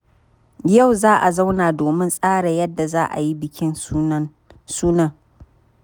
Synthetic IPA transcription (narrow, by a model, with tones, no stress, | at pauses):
ja˦˨wzaː˦ʔa˨za˦wnaː˨doː˨mɪ˦nsʼaː˦ɽa˨jɐ˦dːa˨zaː˦ʔa̰˨ji˦bɪ˨kʲɪ˦n˦ | suː˦nɐ˦ŋ